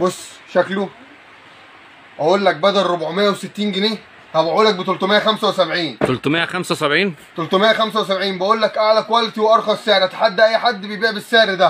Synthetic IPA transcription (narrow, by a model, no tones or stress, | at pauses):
bosː | ʃæklo | ʔæʔuːlːæk̚bæd̪ælɾobʕomejːæweset̪ːiːnɡeneː | hæbæʔuːlːæk̚bet̪olt̪omejːæxæmsæwesæbʕiːnt̪olt̪mejːæxæmsæwesæbʕiːnt̪olt̪omejːæxæmsæwesæbʕiːnbæʔuːlːækʔæʕlækwælt̪iweʔɑɾˤxɑseʕɾʔæt̪ħad̪ːæʔæjːħad̪ːbejbiːʕbesːeʕɾd̪æ